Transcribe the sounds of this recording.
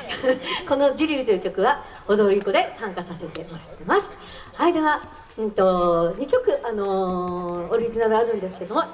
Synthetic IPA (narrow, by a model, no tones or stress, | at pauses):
ko̞no̞d͡ʑiɾʲɯːt̪ijɯ̟kʲo̞kɯ̟βa | od̪o̞ɾʲiko̞d̪e̞sãŋkasase̞t̪e̞ʔo̞ɾat̪ːe̞masɨ̥ | haid̪e̞βa | ɯ̃t̪o̞ɲ̟ikʲo̞kɯ̟ʔano̞ː | ɾʲiʑinaɾɯ̟aɾɯ̟̃nd̪e̞sɨ̥ke̞d̪o̞mo̞